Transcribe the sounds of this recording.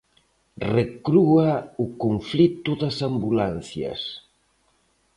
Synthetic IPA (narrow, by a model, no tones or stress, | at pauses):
rekɾuaʊkoɱflit̪ʊðasambulan̟θjɐ̰s